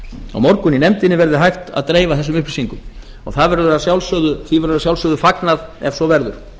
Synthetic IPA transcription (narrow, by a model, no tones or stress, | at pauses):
a̰wmɔɾkʏninɛmt̪ɪnɪvɛɾðɪɦajxt̪a̰ðt̪ɾeːjvaθɛsːʏmʏhplɪ̥siŋkʏm | ɔ̰ɣθaðvɛɾðasjawlsœːðʏθivɛɾɾasjawlsœːðʏfaknaðɛvsɔvɛɾðʏɾ̥